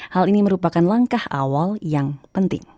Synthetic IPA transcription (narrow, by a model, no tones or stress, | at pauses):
haliniməɾupakanlaŋkaha̰waljaŋpənt̪ɪ̰ŋ